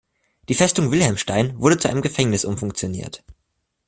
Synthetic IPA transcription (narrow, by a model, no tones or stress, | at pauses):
d̥iːfɛstʊŋvɪlhɛlmʃtaɪnvʊɐɾət͡suʔa̰ɪnəmɡəfɛŋnɪsʔʊmfʊŋk̚t͡sjonḭːɐt